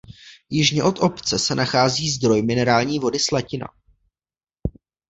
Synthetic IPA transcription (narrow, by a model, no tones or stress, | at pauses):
jɪʒɲɛʔo̞t̪ʔo̞pt͡sɛsɛnaxaːziːzd̪ɾo̞jmɪnɛɾaːlɲiːvo̞dɪslacɪna̰